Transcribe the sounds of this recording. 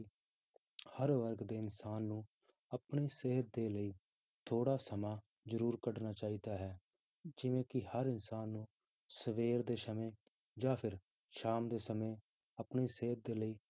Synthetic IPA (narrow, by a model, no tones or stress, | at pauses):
həɾʋəɾɡd̪eːɪnsaːnːũː | əpɳiːseɦət̪̚d̪eːləiː | t̪ʰoːɽaːsəmaː | zəɾuːɾkəɖnaːt͡ʃaːiːd̪aːɦɛː | d͡ʒɪʋẽːkɪhəɾɪnsaːnːũː | səʋeːɾd̪eːsəmẽː | d͡ʒãːpʰɪɾ | ʃaːmd̪eːsəmẽː | əpɳiːseːɦət̪̚d̪eːləiː